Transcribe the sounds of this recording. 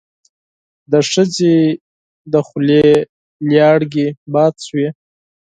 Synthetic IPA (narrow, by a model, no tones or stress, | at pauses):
d̪əʂəze | d̪əxʊle | ljɑɽɡebɑːt̪swi